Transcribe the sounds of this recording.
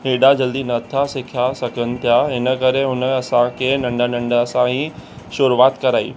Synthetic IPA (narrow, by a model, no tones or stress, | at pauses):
ɦeːɖad͡ʑɐld̪inɐt̪ʰasɪkʰjasɐkʰənɪ̆t̪ʰjaɦɪnəkɐɾeɦʊnəɐsãkʰenɐ̃ɳɖanɐ̃ɳɖɐsãɦĩ | ʃʊɾuʋaːt̪kɐɾaːḭː